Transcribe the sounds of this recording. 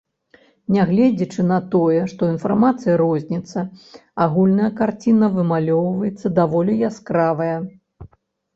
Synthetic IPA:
nʲɛɣlʲɛd͡zʲit͡ʂɨn̪ɐt̪ɔjɛʂt̪ɔinfarmat̪sɨjɐɾɔzʲnʲit̪sːɐaɣulʲnɐjɐkart͡sʲinɐvɨmalʲɔwvɐjɛt̪sːɐd̪avɔlʲijaskɾavɐjɐ

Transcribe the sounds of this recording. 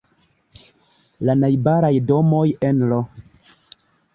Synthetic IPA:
lanajbaɾajdo̞mo̞je̞nlo

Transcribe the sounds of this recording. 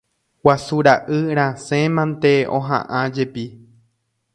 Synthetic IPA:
wasuɾaʔɨɾ̃ãsẽmãnt̪e̞õ̰ɦã̰ʔãd͡ʒepi

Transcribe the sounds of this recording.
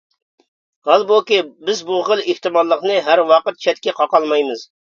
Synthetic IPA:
hɑlˠbokʲibɪzbuχəlˠeht̪ɨmɑlˠːəqnɨɦæɾwɑqət̪̚t͡ʃʰɛt̪kʲɛqʰɑqɑlˠmɑjmɨz

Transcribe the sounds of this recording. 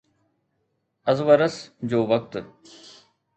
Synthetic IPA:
ɐzʋəɾəsd͡ʑoːʋɐk̚t̪

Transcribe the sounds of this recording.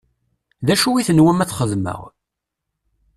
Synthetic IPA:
ðæʃuwiθənwæmæθχəðmə̰ʁ

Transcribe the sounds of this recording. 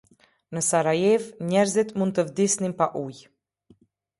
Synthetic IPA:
nəsaɾajɛvɲɛɾzit̪mund̪t̪əvd̪isninpaʔuj

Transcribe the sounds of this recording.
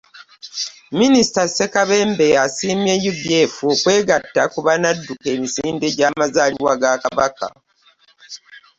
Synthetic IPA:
minisi̥tasekaβe̞ːmbe̞jasiːmjejuɡje̞ːfuokwe̞ːɡatːakuβanadːuke̞ːmisiːnde̞ɟaːmazaːliwaɡakaβaka̰

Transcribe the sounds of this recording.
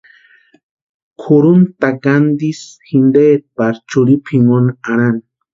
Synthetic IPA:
kʰuɾunt̪aɡand̪isxind̪et̪̚paɾt͡ʃuɾipʰimonaɾan

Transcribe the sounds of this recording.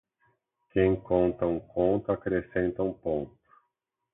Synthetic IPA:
kẽj̃kõnt̪ɐũkʰõnt̪ʊakɾesẽnt̪ɐũpõnt̪ʊ̥

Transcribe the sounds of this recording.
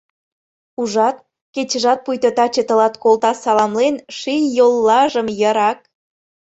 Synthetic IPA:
uʒɑt̪̚ | ket͡ɕə̆ʒɑt̪̚pujt̪ɤt̪ɑt͡ɕĕt̪ə̆lɑt̪kolt̪ɑsɑlɑmlenʃijjolːɑʒə̆mjəɾɑk̚

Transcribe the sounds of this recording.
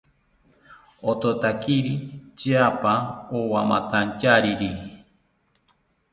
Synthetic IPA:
ot̪ot̪akiɾit͡ʃiapaowama̰t̪ant͡ʃaɾiɾii

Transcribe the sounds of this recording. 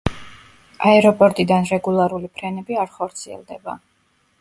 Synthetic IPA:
aɛɾɔpʼɔɾt̪ʼid̪anɾɛɡulˠaɾulipʰɾɛnɛbiaɾχɔɾt̪sʰiɛ̰lˠd̪ɛba

